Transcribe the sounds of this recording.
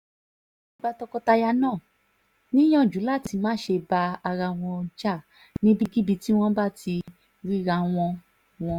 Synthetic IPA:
i˧ba˦tɔ˧kɔ˧ta˧ja˧nãː˦˨ | nĩ˦j̃ɔ̃˦˨d͡ʒu˨˦la˦˨ti˧mãː˦ʃe˧ba˧a˧ɾa˧w̃ɔ̃˧d͡ʒa˦˨ | nĩ˦bi˦ɡi˦bi˧ti˦w̃ɔ̃˦ba˦˨ti˧ | ɾi˦ɾa˧w̃ɔ̃˧ | w̃ɔ̃˧

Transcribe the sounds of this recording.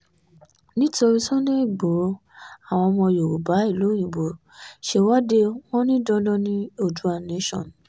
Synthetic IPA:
nĩ˦ti˦o˧ɾi˧sɔ̃˦le˦i˦˨ɡ͡bo˨˦ | a˦˨w̃ɔ̃˧mɔ̃˧jo˨ɾo˨ba˨˦i˦˨lo˨˦jĩ˨bo˨ | ʃe˦wa˦de˧w̃ɔ̃˦nĩ˦dɔ˧dɔ˦nĩ˦o˦˨du˨˦a˦˨ne˦ʃɔ̰̃˦˨n˨

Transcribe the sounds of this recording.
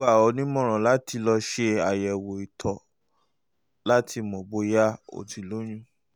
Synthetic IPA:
a˦˨ɔ˨˧nĩ˦mɔ̃˦˨ɾ̃ɔ̃˨la˨˦tʰi˧lɔ˧ʃe˧a˨jɛ˨wo˨i˨tʰɔ˨ | la˦tʰi˧mɔ̃˨bo˦ja˦o̰˨ti˨lo˦j̃ũ˦

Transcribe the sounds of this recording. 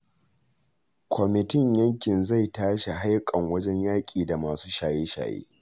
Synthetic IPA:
kʷʰɔ˨mɪ˨tɪ˦˨ɲjɐ˦ŋkʲɪ˨nza˦˨jtaː˦ʃe˨ɦa˦jkʼɐ˨ŋwɐ˦d͡ʒɛ˦ɲjaː˦kʲʼiː˨da˨maː˨suː˦ʃaː˨jeː˦ʃa̰ː˨jḛː˦

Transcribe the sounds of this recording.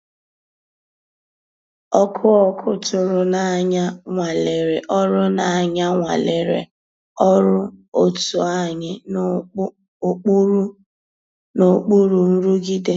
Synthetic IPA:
ɔ˦kʰʊ˦ɔ˦kʰʊ˦tʊ˨ɾʊ˨na˨a˨ɲa˦ŋʷa˨le˨ɾe˨ʔɔ˦ɾʊ˦na˨a˨ɲa˦ŋʷa̰˨le˨ɾḛ˨ | ɔ˦ɾʊ˦o˦tu˨a˦ɲɪ˦ | o˦k͡pu˦u˦ | no˨k͡pu˦ɾu˨n̩˦ɾu˦ɡi˦de˦

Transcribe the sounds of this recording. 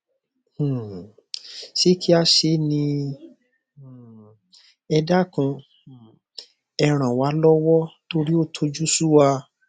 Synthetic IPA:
ʃe˦kʰi˦a˧ʃe˧nĩ˧˨ | ɛ˧da˦kũ˧ | ɛ˧ɾ̃ã˨wa˨˦lɔ˦wɔ˦to˧ɾi˦o˦˨tʰo˧˦d͡ʒu˦su˦wa˧

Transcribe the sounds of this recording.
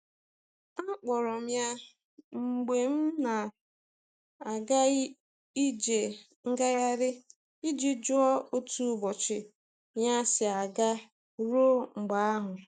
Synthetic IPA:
a˦k͡pɔ˨ɾɔ˨m̩ja˦ | ŋ͡m̩˨ɡ͡be˨m̩˦na˨ | a˨ɡa˦ | i˦d͡ʒe˨ | ŋ̩˦ɡa˦ja˦ɾɪ˦ | i˦d͡ʒi˦d͡ʒʊ˦ɔ˦o˦tu˦˨bɔ˨t͡ʃɪ˨ | ja˦sɪ˨a˨ɡa˦ | ɾo˦ŋ͡m̩˨ɡ͡ba˨a˦ɦʊ˨

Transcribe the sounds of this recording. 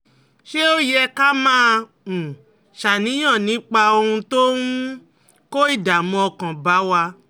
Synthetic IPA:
ʃe˦o˦jɛ˦˧ka˦mãː˦ | ũ˨ | ʃa˨nĩ˨˦j̃ã˦˨nĩ˨˦k͡pa˧o˧ɾũ˧to˦ũ˦ | ko˦i˦˨da˨mɔ̃˧ɔ˧kã˨ba˨˦wa˧

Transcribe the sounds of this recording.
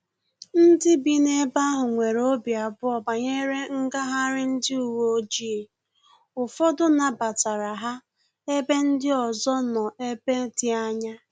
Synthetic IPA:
n̩˦dɪ˦bi˦ne˦ba˦ɦʊ˨ŋʷe˨ɾo˦bja˨bʊ˦ɔ˨ba˨ɲe˦ɾe˦ŋ̩˦ɡa˦ɦa˦ɾɪ˦n̩˦dɪ˦u˨wo˦o˦d͡ʒi˦e˨ | ʊ˨fɔ˦dʊ˦na˨ba˨ta˨ɾa˨ɦa˦ | e˦be˦n̩˦dɪ˦ɔ˨zɔ˦nɔ˨ʔe˦be˦tɪ˦a˦ɲa˦

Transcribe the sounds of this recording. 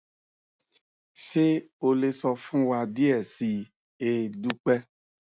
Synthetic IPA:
se˦o˨le˨sɔ˧fũ˦wa˨di˦ɛ˨si˨ | e˨du˦k͡pɛ˦

